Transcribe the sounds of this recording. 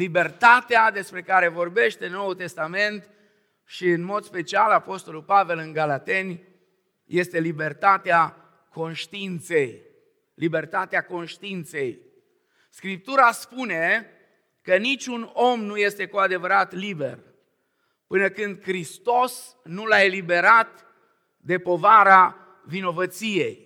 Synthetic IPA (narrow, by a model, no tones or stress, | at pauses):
libe̞rt̪at̪ead̪e̞spɾe̞kaɾe̞vo̞rbe̞ʃt̪enːo̞ult̪e̞st̪ame̞nt̪ | ʃiɨnmo̞d̪spe̞t͡ʃialapo̞st̪o̞lulpave̞lɨŋɡalat̪e̞nʲ | je̞st̪e̞libe̞rt̪at̪ea | kʰo̞nʃt̪iint̪se̞j | libe̞rt̪at̪eako̞nʃt̪iint̪se̞j | skɾip̚t̪uɾaspune̞ | kənit͡ʃʲuno̞mnuje̞st̪e̞kuad̪e̞vəɾat̪libe̞̰r | pɨnəkɨnd̪̚kɾist̪o̞s | nulae̞libe̞ɾat̪ | d̪e̞po̞vaɾa | vino̞vət̪sije̞j